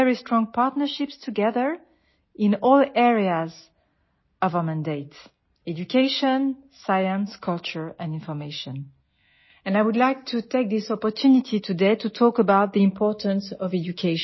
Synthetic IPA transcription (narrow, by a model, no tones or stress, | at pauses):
ɛɹistɹ̥ɔ̃ŋpʰaɹtnə˞ʃɪpstʰuɡɛðə˞ | ɪ̃nɔlɛɹiaz | ʌvəmæ̃ndeɪt | ɛd͡ʒukʰeʃɔ̃nsajə̃nskʰʌlt͡ʃə˞ɛ̃nĩnfɔ˞meʃɔ̃n | ɛ̃najwudlajk̚tʰutʰek̚ðisɔpɔ˞tʰunitʰitʰudeɪtutʰɔkəbaʊt̪̚ðiĩmpʰɔɹtə̃nsɔvɛd͡ʒukʰeʃ